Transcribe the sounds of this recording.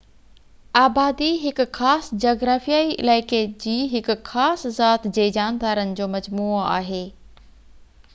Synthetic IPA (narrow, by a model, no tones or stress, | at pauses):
aːbaːd̪iɦɪkxaːsd͡ʑoːɡɾaːfijaːiʔɪ̰laːɪked͡ʑiːɦɪkxaːszaːt̪ʰd͡ʑeːd͡ʑaːnd̪aːɾənɪ̆d͡ʑoːmɐd͡ʑmuːa̰ːɦeː